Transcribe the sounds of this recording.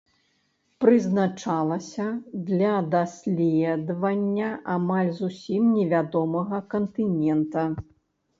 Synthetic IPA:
pɾɨznat͡ʂalˠɐsʲɐd̪lʲɐd̪asʲlʲɛd̪vɐnʲːɐʔamalʲzusʲimnʲɛvʲad̪ɔmɐɣɐkɐnt̪ɨnʲɛnt̪ɐ

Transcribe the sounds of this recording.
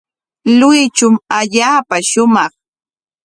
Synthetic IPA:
lʊjt͡ʃʊmaʎaːpaʃʊmɑχ

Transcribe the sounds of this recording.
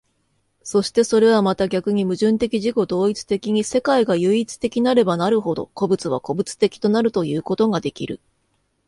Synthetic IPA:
so̞ɕi̥t̪e̞so̞ɾe̞β̞amat̪aɡʲakɯ̟ɲ̟imɯ̟ʑɨ̃nt̪e̞kʲiʑiko̞d̪o̞ːit͡sɨ̥t̪e̞kʲiɲ̟ise̞kaiɡajɯːit͡sɨ̥t̪e̞kʲinaɾe̞banaɾɯ̟ɦo̞d̪o̞̰ko̞bɯ̟t͡sɨβ̞a̰ko̞bɯ̟t͡sɨ̥t̪e̞kʲi̥t̪o̞naɾɯ̟t̪o̞jɯ̟ːko̞t̪o̞ŋad̪e̞kʲḭɾɯ̟̰

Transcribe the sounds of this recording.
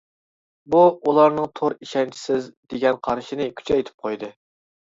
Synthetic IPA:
buulˠɑɾnɨŋt̪ʰoɾiʃɛnt͡ʃʰi̥sɪzd̪eɡʲɛnqʰɑɾʃinɪkʲʰy̥t͡ʃʰɛjt̪ʰɪ̥p̚qʰojd̪ɨ

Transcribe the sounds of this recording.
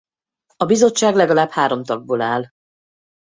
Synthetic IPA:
ɒbizo̞t͡ʃːaːɡlɛɡɒlaːbhaːɾo̞mt̪ɒɡ̚boːlaːl

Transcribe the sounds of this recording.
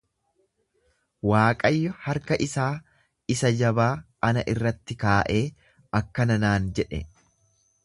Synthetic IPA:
waːkʼɐjːɔhɐɾkɐʔɪsaː | ɪsɐd͡ʒɐbaːʔɐnɐʔɪrːɐt̪ːɪkaːʔeː | ɐkːɐnɐnaːnd͡ʒɛᶑɛ̰

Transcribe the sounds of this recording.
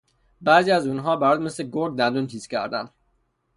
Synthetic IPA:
bæːziːæzuːnɦɒːbæɾɒːd̪me̞sleɡoɾɡ̚d̪ænd̪unt̪ʰiːz̥cʰæ̰ɾd̪ænd̪

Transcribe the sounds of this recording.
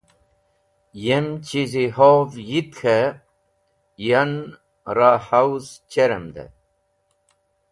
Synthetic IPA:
jemt͡ɕiziɦoːvjit̪kʰe | jan | ɾahawzt͡ɕeɾemd̪ḛ

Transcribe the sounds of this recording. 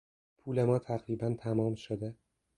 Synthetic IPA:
pʰuːlemɒːt̪ʰæɣɾiːbænt̪ʰæmɒːmʃod̪e

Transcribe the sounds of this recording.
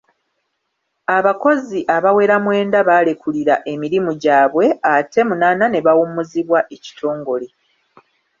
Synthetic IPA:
aβako̞ziʔaβawe̞ːɾamwe̞ːndaβaːlekuliɾaʔe̞miɾimuɟaːβwe̞ate̞munaːnane̞βawumuziβwaʔe̞ci̥tʰo̞ːŋɡo̞le

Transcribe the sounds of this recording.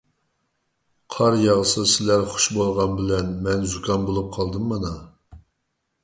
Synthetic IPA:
qʰɑɾjɑʁəsɨsɪlæɾχʊ̥ʃbolˠʁɑnbɪlɛnmɛnzukʰɑnbolˠup̚qʰɑlˠd̪ɨmːɑnɑ

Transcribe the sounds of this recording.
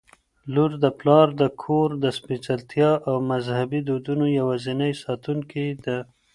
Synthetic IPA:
luɾd̪əplɑɾd̪əkʰoɾd̪əspit͡ʃalt̪jɑʔawmazhabid̪od̪unojawazinəjsɑt̪uŋkid̪ə

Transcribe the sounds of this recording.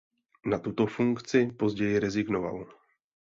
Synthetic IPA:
nat̪ut̪o̞fuŋkt͡sɪpo̞zɟɛjɪɾɛzɪɡno̞va̰l

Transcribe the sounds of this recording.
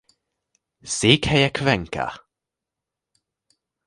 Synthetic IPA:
siːkʰhɛjakʰvɛŋka̰

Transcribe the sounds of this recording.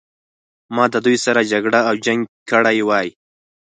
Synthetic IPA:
mɑd̪əd̪ujsaɾad͡ʒaɡɽaawd͡ʒaŋɡkəɽajwɑj

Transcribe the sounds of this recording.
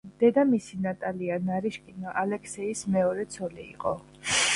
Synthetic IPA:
d̪̥ɛd̪amisinat̪ʼalianaɾiʃkʼinaʔalɛkʰsɛismɛɔɾɛt̪sʰɔlḭːqʼɔ̰

